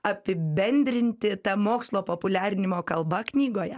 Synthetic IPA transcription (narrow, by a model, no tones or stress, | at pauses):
ɐpʲɪbʲɛnʲd̪ʲɾʲɪnʲt̪ʲɪt̪ɐmoːkslˠoːpoːpʊlʲæːɾʲɪnʲɪmoːkɐlˠbɐknʲiːɡoːjɛ